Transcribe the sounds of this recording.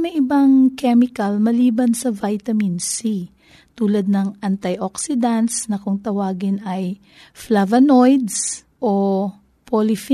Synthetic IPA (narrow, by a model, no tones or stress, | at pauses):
mɛʔɪbɐŋkɛmɪkɐlmɐliːbɐnsɐvajt̪ɐminsi | t̪uːlɐd̪̚nɐŋʔɐnt̪ɐjʔoksɪd̪ant̪snɐkʊŋt̪ɐwaːɡɪnɐj | flavɐnojd̪s | ʔo | polɪf